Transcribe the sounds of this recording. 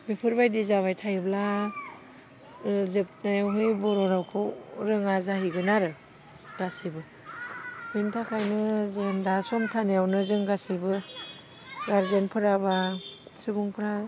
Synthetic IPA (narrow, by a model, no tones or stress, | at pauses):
bipʰɯɾbajdizaβajtʰajbla | zɯp̚najwɦɯjbɔɾɔɾawkʰɯwɾɯŋazaɦiɡɯnaɾɯ | ɡasibɯ | hijntʰakʰajnɯzendasɔmtʰaneawnɯzɯŋɡasibɯ | ɡaɾzenpʰɯɾabasɯbuŋpʰɯɾa